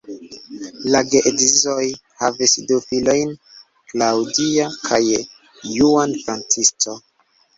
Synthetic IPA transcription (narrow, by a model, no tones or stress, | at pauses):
laɡeʔedizo̞jhavisdufilo̞jn | klawdiakʰajː | uanfɾant͡sisto